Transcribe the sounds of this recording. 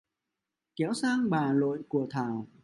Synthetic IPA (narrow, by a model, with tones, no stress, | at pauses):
kɛ˨˦wsaː˧ŋɓaː˨˩lo̰˧˨jku˧˩ət̪ʰaː˧˩w